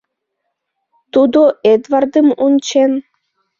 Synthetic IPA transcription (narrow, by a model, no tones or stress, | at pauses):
t̪ud̪oʔed̪vɑrd̪əmunt͡ɕen